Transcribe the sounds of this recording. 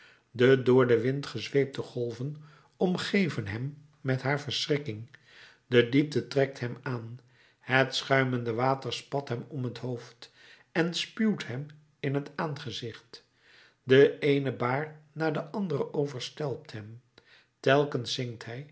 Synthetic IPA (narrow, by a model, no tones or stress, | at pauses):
dədʊːɹdəʋɪntχəzʋejp̚dəχɔlˠvən | ɔmχejvənɦɛmː | ɛtɦaːɹvəɹsrɪkɪŋ | dədip̚dətrɛk̚tɦɛmaːn | hətsχœɥməndəʋaːtəɹspɑtɦɛmɔmɦətɦowft | ɛnspywtɦɛm | ɪnɦətaːnχəzɪχt | dəejnəbaːɹnaːɹdəʔɑndərəʔowvəɹstɛlˠp̚tɦɛm | tɛlˠkənsɪŋktɦɛj